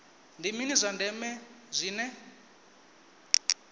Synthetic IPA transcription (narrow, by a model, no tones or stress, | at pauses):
ndiminizʷandɛmɛ | zʷiːnɛ